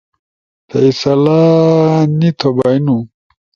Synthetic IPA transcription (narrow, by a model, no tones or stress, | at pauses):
t̪ʰɐisɐla | nit̪ʰobajnu